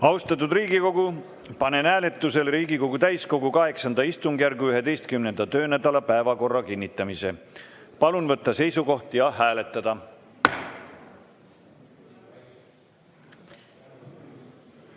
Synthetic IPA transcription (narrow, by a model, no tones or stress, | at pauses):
ɑuwst̪ɑt̪ːud̪riːɡiko̞ɡu | pɑne̞næːle̞t̪ˑːuse̞lriːɡiko̞ɡut̪æjsko̞ɡukɑɦe̞ksɑnd̪ɑist̪uŋɡ̥jærɡuyɦe̞d̪e̞jst̪̚kymne̞nd̪̥ɑt̪øːnæd̪ɑlɑpæevɑko̞rːɑkinʲːit̪ːˑɑmise̞pɑlunvɤt̪ˑːɑse̞jsuko̞ht̪jɑɦæːle̞t̪ːˑɑd̪̥ɑ